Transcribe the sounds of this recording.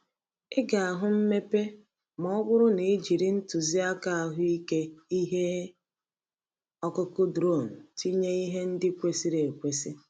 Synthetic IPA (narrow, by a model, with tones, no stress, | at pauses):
ɪ˦ɡa˨a˨ɦʊ˦m̩˦me˦pe˦ | mɔ˦ɔ˦bʊ˦ɾʊ˦ne˨˦d͡ʒi˨ɾi˦n̩˦tu˨zi˦a˦ka˦a˨ɦʊ˦i˦ke˦i˦ɦe˦ | ɔ˦kʊ˦kʊ˦dɾo˦˨n̩˨ti˦ɲe˦i˦ɦe˦n̩˦dɪ˦kʷe˨si˦ɾe˨kʷe˨si˦